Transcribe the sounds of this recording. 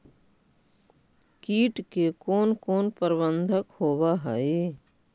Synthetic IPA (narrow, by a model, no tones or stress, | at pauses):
kiːʈkekoːnkoːnpəɾbə̃nd̪ʱəkhoːbaɦɛe